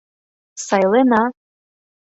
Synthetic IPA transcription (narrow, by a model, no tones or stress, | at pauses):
sajlena